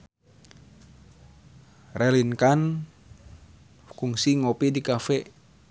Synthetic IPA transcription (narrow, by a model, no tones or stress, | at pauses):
rʔɛlinkan | kuŋsiŋopidikafɛ